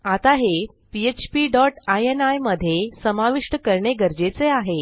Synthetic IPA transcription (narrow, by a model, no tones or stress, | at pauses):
at̪aɦe | piet͡ɕpiːɖɔʈajenajməd̪ʱjesəmaʋiʂʈəkəɾɳeɡəɾd͡ʑet͡seaɦe